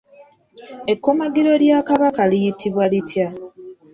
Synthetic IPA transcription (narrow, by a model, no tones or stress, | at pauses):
e̞kːo̞maɡiɾo̞ljakaβakalijitʰiβwalitʰja